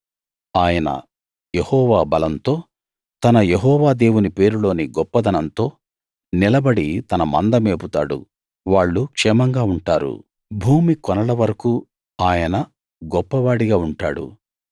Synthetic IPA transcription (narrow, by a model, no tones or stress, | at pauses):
aːjɐnɐ̰ | jehɔːʋaːbɐlɐnt̪o̞ː | t̪ɐnɐjeɦɔːʋaːd̪e̞ːwunipe̞ːɾulo̞ːniɡɔpːɐd̪ʱɐnɐnt̪o̞ː | nilɐbɐɽit̪ɐnɐmɐ̰nd̪ɐmeːput̪a̰ːɽṵ | ʋaːɭːukʂɛːmɐŋɡaːuɳʈaːɾṵ | bʱuːmikɔnɐlɐʋɐɾɐku | aːjɐnɐ | ɡɔpːɐʋaːɽiɡaːuɳʈaːɽṵ